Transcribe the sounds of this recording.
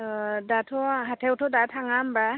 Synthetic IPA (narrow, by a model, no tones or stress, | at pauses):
datʰɔɦatʰewtʰɔdatʰaŋamba